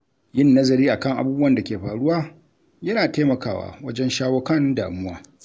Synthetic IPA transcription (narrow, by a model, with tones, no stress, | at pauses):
jɪ˦˨nːɐ˦zɐ˨ɾiː˦ʔa˨kɐ˦˨ŋʔa̰˨buː˦bu˦wɐ˨nda˨kʲeː˨ɸaː˨ɽʊ˦waː˦ | jɐ˦naː˨teː˦mɐ˨kaː˦˨wa̰ː˨wɐ˦d͡ʒɛ˦nʃaː˦wɐ˦kɐ˦nda̰ː˨mʊ˦waː˦